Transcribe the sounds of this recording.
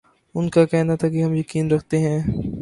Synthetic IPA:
ʊnkakɛɦnat̪ʰakiɦɐmjɐkiːnɾɐkʰt̪eɦɛ̃ː

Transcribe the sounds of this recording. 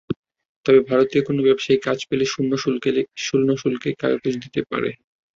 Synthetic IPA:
t̪ɔbebʱaɾot̪iokonobɛbʃaikat͡ɕpeleʃunːoʃuleʃulnoʃulkeka̰jo̰kod͡ʑd̪it̪epa̰ɾḛ

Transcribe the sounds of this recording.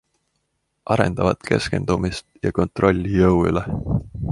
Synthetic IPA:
ʔɑɾe̞̰nd̪̥ɑvɑt̪kʰe̞ske̞̰nd̪̥umist̪jɑ̰ko̞nt̪ro̞lʲːijɤwy̰le

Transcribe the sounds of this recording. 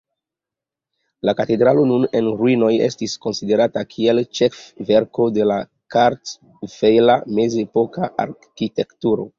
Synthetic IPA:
lakate̞dɾalo̞nune̞nɾuino̞je̞̰stisko̞nside̞ɾatakʰie̞lt͡ʃefve̞ɾko̞de̞la | kaɾt | v̥ejlame̞zepo̞kaʔa̰ɾkite̞ktuɾo̞̰

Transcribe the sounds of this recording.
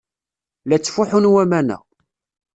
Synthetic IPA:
læt͡sːfʊħunwæmænæ̰

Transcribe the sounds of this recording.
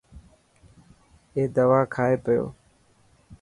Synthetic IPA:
eːd̪əʋaːkʰaːeːpəjo̰ː

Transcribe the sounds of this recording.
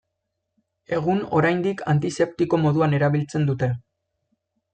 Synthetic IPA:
e̞ɣ̞uno̞̰ɾajnd̪ikʰa̰nt̪ise̞p̚t̪iko̞mo̞ðuane̞ɾaβ̞ilt͡se̞nd̪ut̪e̞

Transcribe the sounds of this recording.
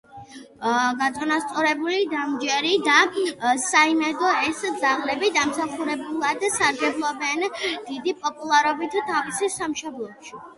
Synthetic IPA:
ɡat̪sʼɔnast̪sʼɔɾɛbulid̪amd͡ʒɛɾid̪asaimɛd̪ɔɛsd̪zaʁlɛbid̪amsaχuɾɛbulˠad̪saɾɡɛblˠɔbɛnd̪id̪ipʼɔpʼulˠaɾɔbit̪ʰt̪ʰavisisamʃɔblˠɔbʃi

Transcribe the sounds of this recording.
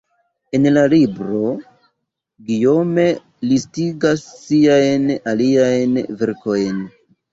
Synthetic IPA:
e̞nlalibɾo̞ | ɡijo̞me̞ | listiɡasːiajnaliajnve̞ɾko̞jn

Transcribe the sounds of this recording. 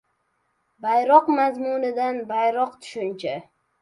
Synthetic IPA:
bajɾɒqmazmʊnɪd̪anbajɾɒqt̪ʰʊ̥ʃʊnt͡ʃʰa

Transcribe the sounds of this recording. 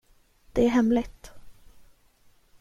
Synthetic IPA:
d̪̥ɛæɾɦɛmlɪt̪

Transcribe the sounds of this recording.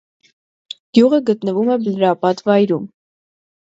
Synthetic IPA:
d̪̥juʁəɡət̪nəvumɛbəlɾɑpɑt̪vɑjɾum

